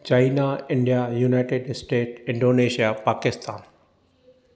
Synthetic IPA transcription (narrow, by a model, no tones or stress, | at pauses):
t͡ɕaːinaɪ̃ɳɖijajuːnaɪʈeɖsʈeːʈɪ̃ɳɖoːneːʃijapaːkɪst̪a̰ːn